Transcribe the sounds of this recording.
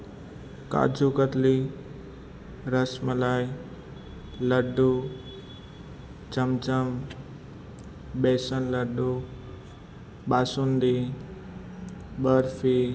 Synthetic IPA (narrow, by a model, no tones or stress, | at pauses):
ka̰ːd͡ʒukət̪li | ɾəsməlaj | ləɖːu | t͡ʃəmt͡ʃəm | besənləɖːu | baːsund̪i | bəɾfi